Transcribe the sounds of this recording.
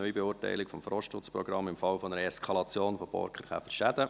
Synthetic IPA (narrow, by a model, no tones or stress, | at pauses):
œʏibɛʊːɾtæ̰ɪlɪkfɔmfɾɔʃtʊt͡sprɔɡɾɑmːɪmfɑlfɔnəɾəɛskʰɑlɑt͡sjoːnfobɔ̰ɾkχəɾχæ̰fəɾʃæd̪ə